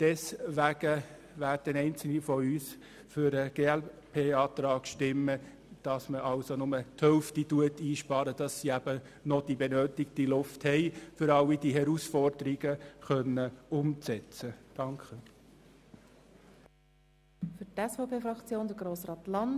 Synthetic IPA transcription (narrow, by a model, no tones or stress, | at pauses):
d̥ɛsʋæɡ̥ə | ʋærd̥ənɛɪnt͡sl̩nifɔyːs | fʏɾəɡ̥eːæl | pʰeːɑːt̪ɾɑːɡ̥ʃtɪmːə | d̥ɑsməʔɑlsonʊmət̪hœlftituətiːʃpɑːɾəd̥ɑsːiæbə | nɔd̥ibɛnøːtɪktilʊfthɛɪfʏɾɑlːidiɦɛɾusfɔrd̥əɾiɡəχœnːəʊmt͡sɛt͡səd̥ɑŋkχə | fʏtɛsfopʰeːfɾɑkt͡sjoːnd̥əɾɡɾoːsɾɑːtlɑn